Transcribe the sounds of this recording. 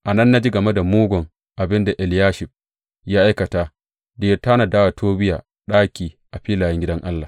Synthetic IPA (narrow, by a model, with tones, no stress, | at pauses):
ʔa˨nɐ˦nːa˦d͡ʒi˦ɡɐ˨mɛ˦da˨moː˦ɡʷɔ˨ŋ | ʔa˨bɪ˦nda˨ʔɛ˨ljaː˦ʃɪ˨ɸ̚ | jaː˦ʔa˦jkɐ˨taː˦ | deː˦˨jtaː˦na˨daː˦wa˨tʰoː˦bɪ˦ja̰ː˨ | ɗaː˦kʲiː˨ʔa˨ɸiː˦laː˨jɛ˦ŋɡʲɪ˦dɐ˦ŋʔa˦lːaː˨